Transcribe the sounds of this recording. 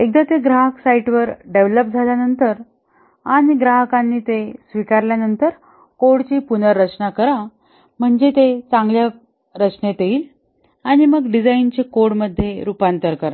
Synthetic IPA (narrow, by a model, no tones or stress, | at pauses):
ek̚d̪at̪eɡɾaɦəksaiʈʋəɾɖeʋləp̚d͡zʱaljanənt̪əɾ | aɽ̃iɡɾaɦəkanːiːt̪esʋikaɾljanənt̪əɾ | koɽt͡ɕiːpunəɾːət͡ɕnakəɾa | m̤əɳd͡ʑet̪et͡sãŋɡlja | ɾət͡ɕnet̪eiːl | aɽ̃iməɡɖid͡zaint͡ɕekoɽməd̪ʱːjeɾupant̪əɾkəɾa